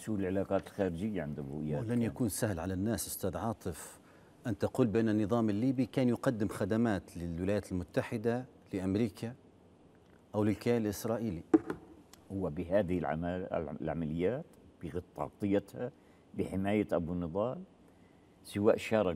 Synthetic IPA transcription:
suːlɪlʕɪlaːqɑːt̪ɪlxaːɾɪd͡ʒɪjːaʕɪnd̪abɾṵʔɪjːaːlanjakuːnsahlʕalanːaːsʔʊ̥st̪aːd̪ʕɑːt̪ˤɨf | ʔɪnt̪aquːlbɪʔanːanːɨðˤɑːmɪlːiːbikaːnjʊqɑd̪ːɪmxad̪amaːt̪lɪlwɪlaːjaːt̪ɪlmʊt̪ːaħɪd̪a | lɪʔamɾiːkʰa | ʔawlɪlkaːllʔɪsɾˤɑːʔiːli | hʊwːabɪɦaːðɪhɪlʕa̰lʕa̰malɪjːaːt̪b̥ɪɣɪt̪ˤːɑ̰ʕt̪ˤɨjːat̪ha | bɪħɪmaːjaʔabunɨðˤɑːl | sɪwaːʔʃɑːɾˤɑ

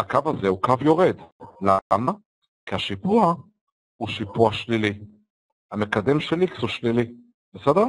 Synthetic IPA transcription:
akavazeukavjo̞ʁed̪lama | kiaʃipua | huʃipuaʃlili | hamekad̪emʃeliksuʃlili | besedeʁ

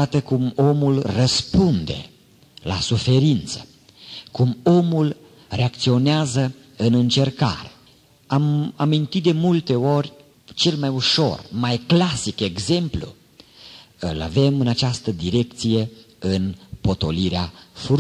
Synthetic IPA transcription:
at̪əkumo̞mulrəspund̪e̞̰ | la̰sufe̞ɾint̪sə̥ | kumo̞mul | re̞ak̚t̪sio̞neazə | ɨnɨnt͡ʃe̞rka̰ɾe | amamint̪it̪̚d̪emult̪e̞o̞rʲ | t͡ʃe̞lmajuʃo̞̰rmajklasike̞ɡze̞mplṵ | ɨla̰ve̞mɨnat͡ʃast̪əd̪iɾe̞kt̪sije̞ | ɨnpo̞t̪o̞liɾeafu

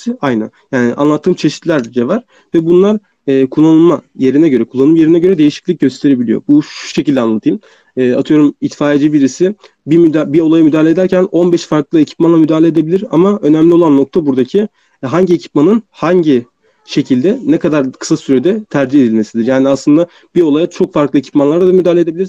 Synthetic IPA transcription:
ajnæ̰njaːniʔanlˠat̪ʰːɯːmt͡ʃʰe̞ʃi̥t̪lʲæɾd͡ʒevaɾ̥ | vɛbunlˠaɾː | kʰulˠːanɯlˠmaje̞ɾinɛɟø̞ɾɛkʰulˠːanɯmje̞ɾinɛɟøɾɛd̪e̞jiʃi̥clʲic̚ɟø̞st̪ʰe̞ɾe̞bilʲijo̰buʃu̥ʃe̞cilʲd̪ɛanlˠat̪ʰɯjn | ɛːa̰t̪ʰɯjo̞ɾumit̪faːed͡ʒibiɾisɪ | bibio̞lˠajamyd̪aːlʲed̪æɾcʰæno̞nbɛʃfaɾklˠɯecʰi̥p̚manˠamyd̪aːlʲed̪e̞bilʲiɾa̰maø̞næmlʲiolˠanːo̞k̚t̪ʰabuɾd̪acʰi | ɦaɲɟiecʰi̥p̚manɯnhaɲɟi | ʃe̞cʰilʲd̪ɛnɛkʰad̪aɾkʰɯ̥sasyɾɛd̪ɛt̪ʰæɾd͡ʒihed̪ilme̞sid̪iɾjaːniaslˠɯnd̪a | b̥io̞lˠajat͡ʃʰo̞kfaɾklˠɯecʰi̥pmanlˠaɾd̪ad̪amyd̪aːlʲed̪ebilʲiɾ

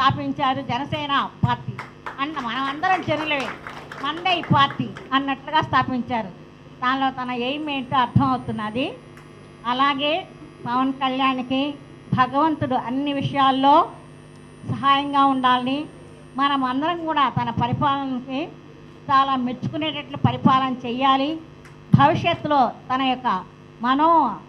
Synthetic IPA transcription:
st̪ʰaːpiɲt͡ʃaːɾud͡ʒɛnɐsɛːnɐpaːɾʈiː | ɐnɐmɐnɐmɐnd̪ɐɾɐmt͡ʃenulɐʋeːmɐnd̪ejipaːɾʈiɐnːɐʈluɡaːst̪ʰaːpiɲt͡ʃaːɾu | d̪aːnlo̞ːt̪ɐnɐejmeːɳʈuɐɾt̪ʰɐmɐwut̪unːaːd̪i | ɐlaːɡe̞ː | pɐʋɐnkɐljaːnki | bʱɐɡɐʋɐnt̪uɽuʔɐnːiʋiʂɐjaːlːo̞ː | sɐɦaːjɐŋɡaːuɳɖaːlini | mɐnɐmɐnd̪ɐɾɐmkuːɽaːt̪ɐnɐpɐɾipaːlɐnɐki | t͡ʃaːlaːmeɾt͡ʃu̥kuneːʈɐʈlupɐɾipaːlɐnɐt͡ʃɛjːaːli | bʱɐʋiʂjɐt̪lo̞ːt̪ɐnɐjɔkːɐ | mɐnoː

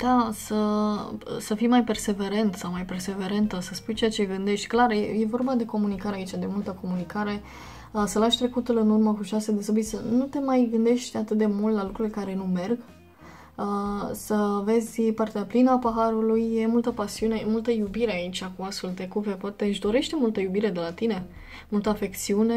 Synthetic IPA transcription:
d̪̥asə | səfijmajpe̞rse̞ve̞ɾent̪sawmajpe̞rse̞ve̞ɾent̪əsəspujt͡ʃe̞at͡ʃe̞ɡɨnd̪e̞ʃt̪ʲklarjeje̞vo̞rbad̪e̞ko̞munikaɾeait͡ʃad̪e̞mult̪əko̞munikaɾe̞ | əsəlaʃʲt̪ɾe̞kut̪ulɨnurməkuʃased̪esobit̪sənut̪e̞majɡɨnd̪e̞ʃt̪ʲat̪ɨt̪̚d̪e̞mult̪lalukɾulekaɾe̞nume̞rɡ | əsəve̞zʲpart̪eaplinəapəɦaɾulujje̞mult̪əpasiune̞emult̪əjubiɾe̞ait͡ʃʲakuasult̪e̞kuve̞poat̪e̞ɨʃd̪o̞ɾe̞ʃt̪emult̪əjubiɾe̞d̪e̞lat̪ine̞ | mult̪əafe̞kt̪siune

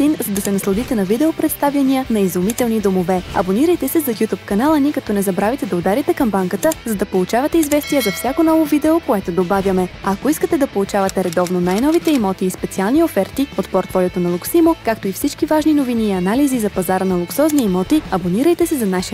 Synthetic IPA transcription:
inzɐd̪ɐsɛnɐslˠɐd̪it̪ɛnɐvid̪ɛopɾɛt̪st̪avjɐniənɐizumit̪ɛlˠnid̪omovɛɐ̰boniɾəjt̪ɛsɛzɐɡʲut̪upkɐnalˠənikɐt̪ɔnɛzɐbɾavit̪ɛd̪ɐod̪aɾit̪ɛkɐmbaŋkət̪əzɐd̪ɐpolˠut͡ʃavɐt̪ɛizvɛst̪ijəzɐfsʲakonɔvovid̪ɛokoɛt̪od̪obavjɐmɛɐkoiskət̪ɛd̪ɐpolˠut͡ʃavɐt̪ɛɾɛd̪ɔvnonajnɔvit̪ɛimɔt̪iːspɛt̪sialˠniofɛɾt̪iot̪poɾt̪fɔlʲɛt̪onɐlˠuksimokakt̪oifsit͡ʃkivaʒninoviniːɐnalizizɐpɐzaɾənɐlˠuksɔzniimɔt̪iɐboniɾəjt̪ɛsɛzɐnaʃi

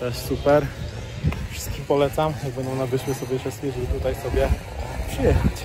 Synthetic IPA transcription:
t̪ɛʂsupɛɾ | fʂɘ̥st̪̚kʲipɔlɛt̪samjaɡ̚bɛnd̪ɔ̃w̃nabɘʂmɘsɔbʲjɛfʂɛst̪kʲiʐbɘt̪ut̪ajsɔbʲjɛ | pʂɘjɛxat͡ɕ

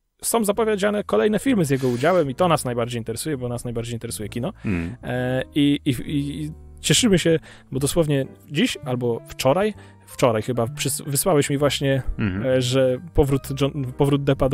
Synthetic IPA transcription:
sɔ̃w̃zapɔvʲjed͡ʑanɛkɔlɛjnɛfʲiɾmɘzʲjɛɡɔud͡ʑawɛmit̪ɔnasnajbaɾd͡ʑejint̪ɛɾɛsujɛbɔnasnajbaɾd͡ʑejint̪ɛɾɛsujɛkʲinɔ | ii | t͡ɕɛʂɘmɘɕɛ | bɔd̪ɔswɔvɲɛd͡ʑiɕalbɔft͡ʂɔɾaj | ft͡ʂɔɾajxɘbapʂɘsvɘswawɛɕmʲivwaɕɲɛ | ʐɛpɔvɾut̪ɔpɔvɾud̪̚d̪ɛpad̪

